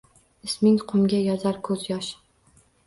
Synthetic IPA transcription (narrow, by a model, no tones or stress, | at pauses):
ɪsmɪŋqʰʊmɡʲajɒzaɾkʰɵzjɒʃ